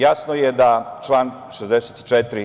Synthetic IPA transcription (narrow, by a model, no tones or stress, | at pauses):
jaːsnojed̪at͡ʃlˠaːn | ʃezd̪eset̪i̥t͡ʃet̪ɾi